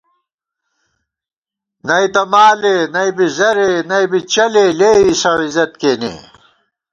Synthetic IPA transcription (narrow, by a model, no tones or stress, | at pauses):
nɐit̪ɐmaːlenɐibizɐɾenɐibit͡ɕɐleleːisɐwizɐt̪̚keːnḛ